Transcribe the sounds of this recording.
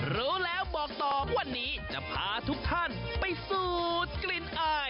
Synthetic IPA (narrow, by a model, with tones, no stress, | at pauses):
ɾuː˦˥lɛː˦˥wbɔː˨˩k̚t̪ɔː˨˩wa˧˩nːiː˦˥t͡ɕa˨˩pʰaː˨˦˥t̪ʰu˦˥k̚t̪ʰa˥˩npa˧jsuː˨˩t̪̚kli˨˩nʔaː˧˩